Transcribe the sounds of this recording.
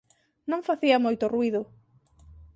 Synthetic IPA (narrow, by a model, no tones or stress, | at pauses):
nõŋfaθiɐmojt̪ʊruiðʊ